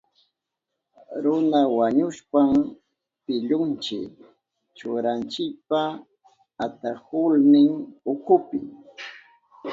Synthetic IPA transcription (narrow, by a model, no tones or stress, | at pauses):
ɾʊnawaɲʊʃpam | pɪʎʊnt͡ʃɪ̰k | t͡ʃʊɾant͡ʃɪk̚pa | at̪ahʊlnɪŋʊkʊpɪ̰